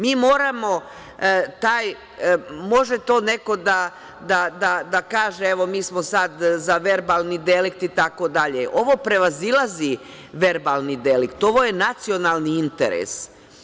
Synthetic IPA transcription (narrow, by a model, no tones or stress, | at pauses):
miːmoːɾamo̞ | t̪aːj | mo̞ʒet̪o̞ːne̞ko̞d̪a | d̪ad̪ad̪akaːʒeeʋo̞miːsmosad̪zaʋe̞ɾbalˠnid̪elik̚t̪it̪ako̞d̪aʎeʔo̞ʋo̞pɾe̞ʋazilˠazi | ʋeɾbalˠnid̪elikt̪o̞ʋo̞je̞nat̪sio̞nalˠniint̪ḛɾḛs